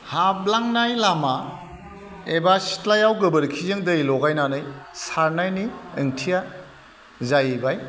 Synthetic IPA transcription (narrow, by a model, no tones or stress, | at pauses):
hablaŋnajlama | ebasi̥tlajawɡɯbɯɾkʰizeŋdɐjlɔɡajnanɯjsaɾnajniɯŋtʰija | zajbaj